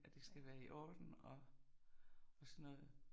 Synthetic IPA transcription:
æd̥e̝sɡ̥æʋæːɐiʔɒːd̥n̩ɒ̽ | ɒ̽sɒnːɔ̽ːð̩ˠ

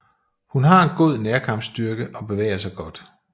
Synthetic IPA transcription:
hunɦɑ̈e̝nɡ̥o̝ð̰ˠneɐkʰɑ̈m̥sd̥yɐɡ̥əʔɒ̽b̥e̝ʋḛːɐsɑ̈ɪɡ̥ɒ̽d̥

